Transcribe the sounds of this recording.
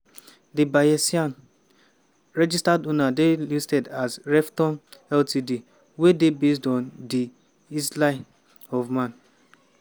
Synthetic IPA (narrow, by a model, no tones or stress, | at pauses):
dibajɛsiãn | ɾɛd͡ʒistadonadelistɛdazɾɛftɔ̃nɛltidi | wedebes̬dɔ̃ndi | islaɪ | ɔvmãn